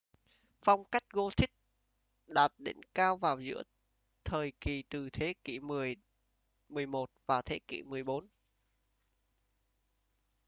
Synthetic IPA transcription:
fa˧wŋ͡mka˦˥jk̟̚ɣo˧t̪ʰï˦˥k̟̚ | ɗaː˨˩t̚ɗḛ˧˨˦nkaː˧wvaː˨˩wzɨ̰˧˥ə | t̪ʰəː˨˩jki˨˩t̪ɨ˨˩t̪ʰe˨˦kḭ˧˨mɨ˨˩əj | mɨ˨˩əjmo˨˩t̚vaː˨˩t̪ʰe˨˦kḭ˧˨mɨ˨˩əjɓo˨˦n

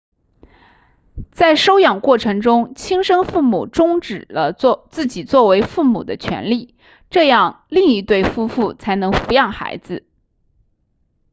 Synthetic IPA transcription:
t͡sa˥˩ɪʂo˥ʊjɑ˨˩ŋkwɔ˥˩ʈ͡ʂʰɤ˧˥ŋʈ͡ʂʊ˥ŋt͡ɕʰi˥ŋʂɤ˥ŋfu˥˩mṵ˨˩ʈ͡ʂʊ˥ŋʈ͡ʂɻ̩˨˩lə˦t͡sɹ̩˥˩t͡ɕi˨˩t͡swɔ˥˩we˧˥ɪfu˥˩mṵ˨˩d̪ə˦t͡ɕʰɥɛ̰˧˥nli˥˩ | ʈ͡ʂɤ˥˧jɑ˥˩ŋ | li˥˧ŋi˧˥t̪we˥˩ɪfu˥fu˥˩t͡sʰa˧˥ɪnɤ˧˥ŋfu˧˥jɑ˥˩ŋxa̰˧˥ɪd͡zɹ̩˧

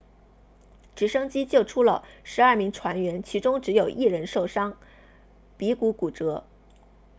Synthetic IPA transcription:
ʈ͡ʂɻ̩˧˥ʂɤ˥ŋt͡ɕi˥t͡ɕjo˥˩ʊʈ͡ʂʰu˥lə̰˨ʂɻ̩˧˥ɐ˞˥˩mi˧˥ŋʈ͡ʂʰwa˧˥nɥɛ˧˥nt͡ɕʰi˧˥ʈ͡ʂʊ˥ŋʈ͡ʂɻ̩˧˥jo˨˩ʊʔi˥˩ɻə˧˥nʂo˥˩ʊʂɑ˥ŋ | pi˧˥ku˧˥ku˨˩ʈ͡ʂɤ˧˥

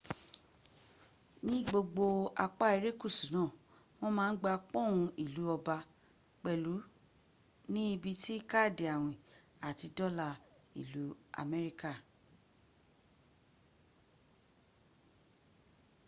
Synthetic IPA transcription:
nĩ˦ɡ͡bo˧ɡ͡bo˧a˧k͡pa˦i˧ɾe˦ku˦˨su˨˦nãː˦˨ | w̃ɔ̃˦mãː˦n̩˦ɡ͡ba˧k͡pɔ̃˦˨w̃ũ˧i˦˨lu˨˦ɔ˧ba˧ | k͡pɛ˨lu˨˦ | nĩ˦i˧bi˧ti˦ka˦˨de˨a˨w̃ĩ˨ | a˨ti˧dɔ˦la˧ | ḭ˨lu˨˦a̰˧mɛ˦ɾi˦ka˦˨

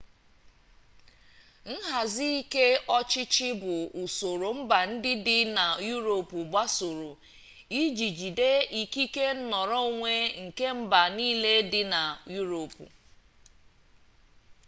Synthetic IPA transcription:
n̩˦ɦa˨zi˦i˦ke˦ɔ˦t͡ʃɪ˦t͡ʃɪ˦bʊ˨u˨so˨ɾo˨m̩˦ba˨n̩˦dɪ˦dɪ˦na˨ju˦ɾo˨pu˨ba˦so˨ɾo˨ | i˦d͡ʒi˨d͡ʒi˨de˦i˦ki˦ke˦n̩˦nɔ˨ɾɔ˦o˦˨ŋʷe˦ŋ̩˨ke˦m̩˦ba˨niː˦le˦dɪ˦na˨ju˦ɾo˨pṵ˨

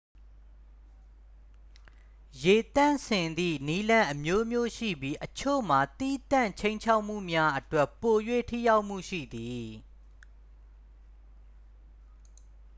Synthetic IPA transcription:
je˨t̪ã˦˨nsʰɪ̃˨nd̪ḭ˦˨ni˦lã˦ʔəmjo˦mjo˦ʃḭ˦˨bji˦ʔət͡ɕʰo̰˦˨m̥a˨t̪ḭ˦˨t̪ã˦˨ɲt͡ɕʰẽ˦ɪ̃ɲt͡ɕʰa˦ʊʔm̥ṵ˦˨mja˦ʔətwɛ˦˨pːo˨jwḛ˦˨tʰḭ˦˨ja˦ʊʔm̥ṵ˦˨ʃḭ˦˨d̪i˨

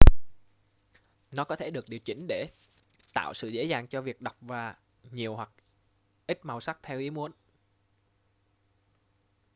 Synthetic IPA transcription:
nɔ˨˦kɔ˨˦t̪ʰe˧˩ɗɨ˨˩ək̚ɗi˨˩əwt͡ɕï˧˦ŋ̟ɗe˧˩ | t̪a̰ː˧˨wsɨ̰˧˨zḛ˧˥zaː˨˩ŋt͡ɕɔ˧vi˨˩ək̚ɗa˨˩wk͡p̚vaː˨˩ | ɲi˨˩əwhwa˨˩k̚ | ʔi˦˥t̚ma˨˩wsa˦˥k̚t̪ʰɛ˧wʔi˨˦əmu˨˦ən

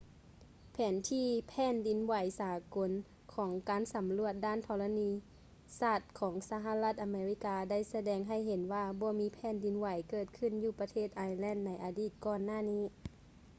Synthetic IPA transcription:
pʰɛː˨˩˦nt̪ʰiː˧˥pʰɛː˧˥˨ndi˨˦nwa˨˦jsaː˨˦ko˨˦n | kʰɔː˩˦ŋkaː˨˦nsa˨˦mlu˧˩ət̪̚daː˧˥˨nt̪ʰɔː˧la˧niː˧ | saː˧˩t̪̚kʰɔː˩˦ŋsa˧ɦa˧˨la˧˥t̪̚ʔa˧meː˧ɾi˧˩kaː˧da˥˩˨jsa˧dɛː˨˧ŋɦa˧˩˨jɦe˨˦nwaː˧bɔː˧˦miː˧˥pʰɛː˧˥˨ndi˨˦nwa˨˩˦jkɤː˧˩t̪̚kʰɯ˧˥˨njuː˧˩pa˧t̪ʰeː˥˩t̪̚ʔaː˧jlɛː˧˥˨nːa˧˥jʔaː˧diː˧˩t̪̚kɔː˧˩nːaː˧˥˨niː˧˥˨

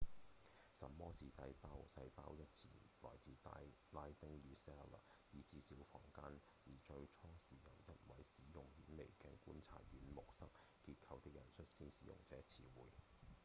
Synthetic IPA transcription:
sɐ˨mɔː˥siː˨sɐ˧jpaː˥wsɐ˧jpaː˥wjɐ˥t̚t͡sʰiː˨˩lɔ̰ː˨˩jt͡siː˨˧t̪a | laː˧˥jt̪ɪ˥ŋjyː˨˥sɛ˥lɐ̰˨jiː˨t͡siː˧siː˨˥wfɔ̰ː˨˩ŋkaː˥n | jiː˨˩t͡ʃɵ˧ɥt͡sʰɔː˥ŋsiː˨jɐ˨˩wjɐ˦˥t̚wɐ˨˥jsiː˨˥jʊ˨˩ŋhiː˨˥nme˨˩jkɛ˧nkuː˨˥nt͡sʰa̰ː˨t̚ɥyː˨˥nmʊ˨k̚sɐ˥k̚kiː˧t̚kʰɐ˧wt̪ɪ˥k̚jɐ˨˩nsʰɵ˥t̚siː˥nsiː˨jʊ̰˨˩ŋt͡sɛː˨˥t͡sʰiː˨wuː˨˩j

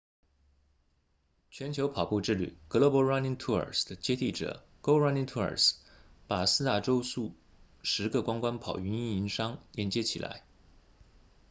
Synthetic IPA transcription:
t͡ɕʰɥɛ˧˥nt͡ɕʰjo˧˥ʊpʰɑ˨˩ʊpu˥˧ʈ͡ʂɻ̩˥˩ly̰˨˩kɤ˧˥lo˧˥pɔ˧˥ɻa˥ni˥ŋt̪ʰu˥ə̰˞˨˩sd̪ə˨t͡ɕjɛ˥t̪i˥˩ʈ͡ʂɤ̰˨˩˦ | ko˥ʊɹa˥ni˥ŋt̪ʰu˥ə̰˞˨˩s | pa˨˩sɹ̩˥t̪a˥˩ʈ͡ʂo˥ʊsu˥˩ | ʂɻ̩˧˥ɡə˥˧kwa˥ŋkwa˥npʰɑ˨˩ʊy˧˥ni˥˩i˧˥nʂɑ˥ŋjɛ˧˥˩nt͡ɕjɛ˥t͡ɕʰi˨˩lʔa̰˧˥ɪ

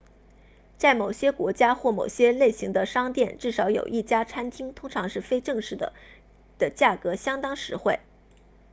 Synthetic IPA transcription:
t͡sa˥˩ɪmo˨˩ʊɕjɛ˥kwɔ˧˥t͡ɕja˥xwɔ˥˩mo̰˨˩ʊɕjɛ˥le˥˩ɪɕi˧˥ŋd̪ə˧ʂɑ˥ŋt̪jɛ˥˧nʈ͡ʂɻ̩˥˩ʂɑ˧˥ʊjo̰˨˩ʊʔi˥˩t͡ɕja˥t͡sʰa˥nt̪ʰi˥ŋt̪ʰʊ˥ŋʈ͡ʂʰɑ˧˥ŋʂɻ̩˥˩fe˥ɪʈ͡ʂɤ˥˧ŋʂɻ̩˥˩d̪ə̰˩ | d̪̥ə˩t͡ɕja˥˩kɤ˧˥ɕjɑ˥ŋt̪ɑ˥ŋʂɻ̩˧˥xwe˥˩ɪ

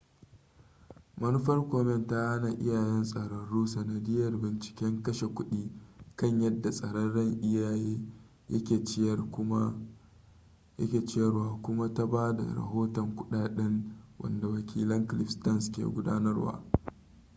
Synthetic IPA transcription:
mɐ˦nu˦ɸɐ˦rkʷoː˨mɛ˦nta˦ha˦na˨ʔɪ̰˦jaː˨jɛ˦nsʼɐ˨ɽɐ˦ɽuː˦sɐ˨nɐ˨dɪ˦jɐ˨rbɪ˨nt͡ʃɪ̥˦kʲɛ˦ŋkɐ˦ʃe˨kʷʊ˦ɗiː˦kɐ˦˨ɲjɐ˦dːa˨sʼɐ˨ɽɔ˦nɽɐ˦˨ŋʔɪ˦jaː˨jeː˦ | jɐ̰˦kʲeː˨t͡ʃ | ɐ˦kʲeː˨t͡ʃrwaː˨kʷʊ˦ma˦ta˦baː˦da̰˨ɾɐ̰˨ɦoː˦tɔ˨ŋkʷʊ˦ɗaː˨ɗɛ˦ŋwʔɐ̰˨nda˨wɐ˨kʲiː˦lɐ˦ŋklɪ˦ɸstɐ˦nskʲḛ˨ɡʷʊ˦da̰ː˦nɐ˦rwa̰ː˦

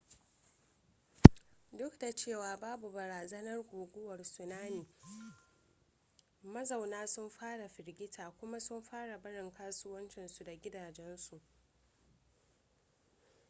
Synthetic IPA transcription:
dʊ˦kda˨t͡ʃeː˦˨waː˨baː˦bu˨bɐ˨ɾaː˨zɐ˦nɐ˦rɡʷoː˨ɡʷʊ˦wɐ˨rsʊ˨naː˦niː˨ | mɐ˦za˨wnaː˦sʊ˦mɸaː˦ɽa˨ɸɪ˨ɾɡʲɪ˦tʰaː˨kʷʊ˦ma˦sʊ˦mɸaː˦ɽa˨bɐ˦ɽɪ˨ŋkaː˦sʊ˦wɐ˦nt͡ʃɪ˨nsu˨da˨ɡʲɪ˦daː˨d͡ʒɛ˦nsu˨ʔ

